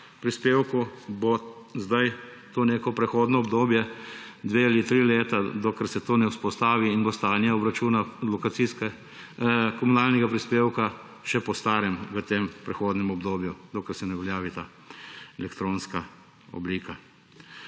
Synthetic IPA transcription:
pɾispeːwkubo | zd̪aj | t̪oːneːkɔpɾɛxoːd̪nɔːbd̪oːbjɛd̪ʋeːalit̪ɾiːleːt̪ad̪ɔkəɾsɛt̪oːnɛwspɔst̪aːʋiːnbɔst̪aːnjaɔbɾat͡ʃuːnalɔkasiːskɛ | kɔmunaːlnɛɡapɾispeːwka | ʃɛpɔst̪aːɾɛmʋət̪eːmpɾɛxoːd̪nɛmɔbd̪oːbjud̪ɔkəɾsɛnɛʋɛljaːʋit̪aː | ɛlɛkt̪ɾoːnska | ɔ̰bliːka

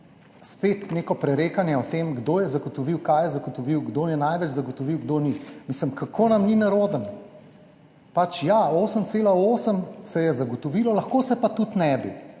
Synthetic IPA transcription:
spet̪neːkɔpɾɛɾeːkanjɛɔt̪eːmɡd̪oːjɛzaɡɔt̪ɔʋiwkajɛzaɡɔt̪ɔʋiwɡd̪oːjɛnajʋɛd͡ʒzɐɡɔt̪ɔʋiwɡd̪oːnimisləmkakʰoːnɐmninaɾoːd̪ən | pat͡ʃjaoːsəmt̪seːlaoːsəmsɛjɛzaɡɔt̪ɔʋilɔlɐxkoːsɛpat̪ut̪nɛbḭ

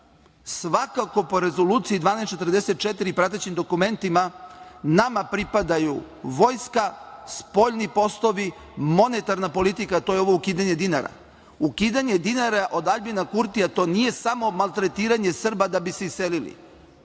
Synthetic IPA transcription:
sʋakako̞po̞ɾe̞zo̞luːt̪sijid̪vʋaːnest͡ʃe̞t̪r̩ɾd̪e̞se̞t̪̚t͡ʃet̪iɾipɾat̪̬et͡ɕimd̪o̞kume̞nt̪imanamapɾipad̪aju | ʋo̞jskaspo̞ʎnipo̞st̪o̞ʋi | mo̞net̪aɾnapo̞lit̪ikat̪o̞ːjeo̞ʋo̞ukiːd̪aɲe̞d̪inaɾa̰ | ukiːd̪aɲe̞d̪inaɾaʔod̪aʎbinakuɾt̪ijat̪o̞ːnije̞samo̞malˠt̪ɾe̞t̪iːɾaɲe̞sr̩bad̪abise̞isːelilḭ

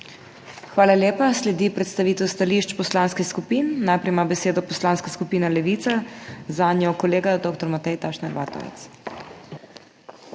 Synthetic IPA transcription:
xʋaːlaljeːpaslɛd̪ipɾɛt̪st̪aʋiːt̪ɛwst̪aliʃt͡ʃpɔslaːnskɛxskupiːnːajpɾɛjmabɛseːd̪ɔpɔslaːnskaskupiːnalɛʋit̪sazaːnjɔkɔleːɡad̪oːkt̪ɔɾmat̪ɛjt̪aʃnaɾʋa̰ːt̪ɔ̰ʋɛ̰t̪s

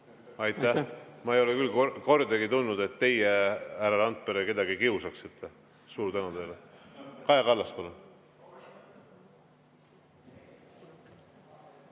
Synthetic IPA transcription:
ɑjt̪ːˑæhmɑejo̞lekylːkoko̞rd̪ɑɡit̪unːud̪e̞t̪ːe̞jehæɾɑlɑnt̪̚ˑpeɾeke̞d̪ɑɡikiusɑksit̪ːˑe | suːɾt̪ænut̪ejlekɑekɑlːɑst̪pɑlun

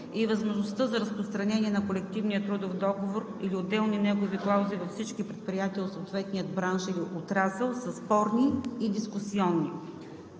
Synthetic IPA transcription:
ivɐzmoʒnost̪ɤzɐɾəspɾost̪ɾɐnɛniɛnɐkolɛk̚t̪ivnijət̪ɾud̪ofd̪ɔɡovoɾiliod̪ːɛlˠninɛɡoviklˠaʊzivɐfsit͡ʃkipɾɛt̪̚pɾijat̪iəot̪soːt̪vɛt̪̚nijəd̪̚bɾanʃiliʔot̪ɾasɛlˠsɐspɔɾniːd̪iskusiɔnːi

